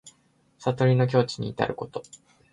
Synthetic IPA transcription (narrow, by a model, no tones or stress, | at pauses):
sat̪o̞ɾʲino̞k̬ʲo̞ːt͡ɕi̥ɲ̟ḭːt̪a̰ɾɯ̟ko̞̥t̪o̞̥